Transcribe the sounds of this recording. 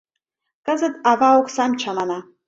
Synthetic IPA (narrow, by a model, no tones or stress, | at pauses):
kə̆zə̆t̪ɑvɑoksɑmt͡ɕʰɑnɑnɑ